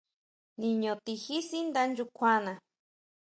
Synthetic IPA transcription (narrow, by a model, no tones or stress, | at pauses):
niɲot̪ixisind̪and͡ʒukʷʰana